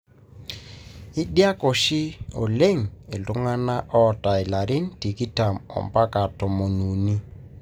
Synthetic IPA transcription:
ɪ˦ɗja˦kɔ˨ʃɪ˦ɔ˨le˦ŋ˨e˨ltʊ˦ŋa˦na˦ʔɔ˦ta˨ɪ˨la˨ɾɪ˦n˦ti˨ki˦ta˨mɔ̰˨mpa˦ka˨tɔ˨mo˨nu˨ni˦

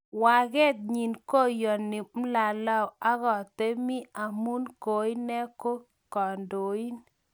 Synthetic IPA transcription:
wa˨ɡɛ˦t̪̚ɲi˨nko˦jɔ˨nɪ˨m̩˦la˨la˦˨a˦ɣɔ˨t̪e˦mi˦a˨mu˦nko˨i˦nɛ˦ko˦ | kɔ˨ndo˨i˦n

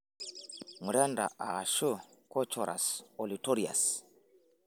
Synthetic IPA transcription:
mu˨ɾa˦nda̰˨ʔa˨a˨ʃo˦kɔ˦t͡ʃɔ˨ɾʔa̰˨sɔ˨litɔ˦ɾia̰˨s

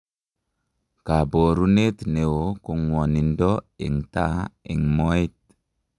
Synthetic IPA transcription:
ka˨bo˨ɾu˦ne˦t̪ne˨wo˨ku˨ŋwo˨ni˨ndɔ˦ḭ˨ŋta˦ḭ˨ŋmo˦i˦t̚

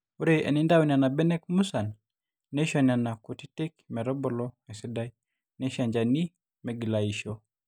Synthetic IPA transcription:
u˦ɾejʔḛ˨ni˦nda˦wna˨na˨bɛ˦nɛ˦kmu˦sa˨nː | e˦ʃana˨na˨ku˨ti˦te˦k̚mɛ˨ɾɔ˦bɔlɔɛ˨si˦daj | ne˦ʃa˨ɲd͡ʒani˦ | mɛ˨ɡi˨la˨iʃo

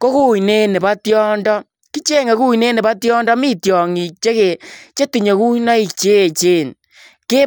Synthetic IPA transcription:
ko˦ku˦i˨ne˦ne˨ba˦tjɔ˦ndɔ˦ | ki˦t͡ʃe˦ŋe˨ku˦˨ne˦ne˨ba˦tjɔ˦ndɔ˦mi˦tjɔ˨ŋi˨k̚t͡ʃe˦ɣe˨t͡ʃe˦ti˨ɲe˨ku˦na˦i˨k̚t͡ʃe˦˨t͡ʃeː˦˨n | ke˦

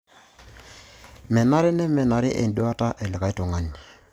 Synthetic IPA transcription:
mɛ˨na˦ɾɪ˦nɛ˦mɛ˨na˨ɾɪ˦ʔḛ˨ndu˦a˦ta˦ʔɛ˨lɪ˨ka˨i˦tu˨ŋa˨˦n

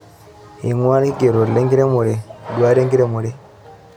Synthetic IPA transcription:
i˨ŋwa˦n˦i˦ɡe˨ɾo˨le˦ŋɡi˦ɾe˦mu˨ɾi˨dwa˦ɾe˦ŋɡi˦ɾe˦mu˨ɾi˦

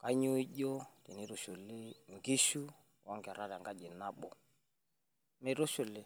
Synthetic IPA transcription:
ka˦ɲu˦i˦ʄɔ˦ti˨ni˦ɾu˨ʃu˨lɪ˦ŋ̩˨ɡi˦ʃu˦ | wa˦ŋɡa˨ɾa˦ɾa˨ŋɡa˦ʄi˨na˦ɓɔ̰˨ | mɛ˨ɾʊ˦ʃu˨lɪ˦˨

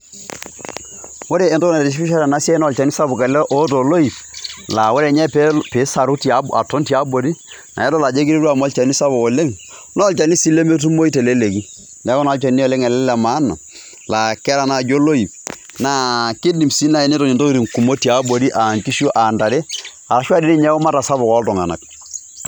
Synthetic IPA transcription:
wo˦ɾeː˦˨to˦na˨ɾi˨ʃ̬pi˦ʃa˦ɾa˨na˦sja˦nɔ˦˨t͡ʃa˨ni˦sa˦bʊ˨ka˨lɛ˦ʔo˦to˨lo˦i˨pla˨wo˦ɾe˨ɲɛ˦pe˨˦sa˨ɾu˦ti˨a˦a˨to˦nti˨a˦bo˨ɾi˦ | nʔa̰˨jɛ˦tɔ˦la˨d͡ʒe˦ki˦ɾe˦ɾu˦a˨mɔ˦lt͡ʃa˨ni˦sa˦bo˨ɔ˨le˦ŋ | nɔ˦˨lt͡ʃa˨ni˦si˦le˦me˦t̬u˦mo˦i˦tɛ˨le˦le˨ki˦ | nɛ˨˦kɔ˦na˨˦t͡ʃa˨˦ni˦ɔ˨le˦ŋɛ˨lɛ˦lɛ˨maː˦na̰˨ | la˨kɛ˦ɾa˨na˨d͡ʒo˦lo˦i˨p̚ | na˨˦kɪ˦di˨msi˦na˨e˨ni˦to˨ni˨nto˦ɾi˨ŋku˨mo˦ti˨a˨˦bo˨ɾi˦ʔa˨ŋki˦ʃo˦ʔa˨nda˨ɾe˦ | a˨la˨ʃwa˦di˦ni˦ɲɛ˦kɔ˦ma˦ta˨sa˦bʊ˨kɔ˨˦ltɔ˨ŋa̰˨na̰˨k̚

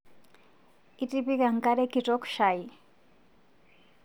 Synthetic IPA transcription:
itʼipi˦kʼa˨ŋ̩˨kʼa˦ɾɛ˦kʼi˨tʼɔ˦kʃa˨i

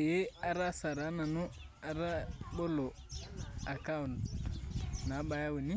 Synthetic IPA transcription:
e˦a˨ɾa˦sa˨ɾa˨˦na˨no˦a˨ɾa˦bo˦lo˨ | a˨ka˦˨nd | na˨˦ba˦ja˦wu˨ni˦

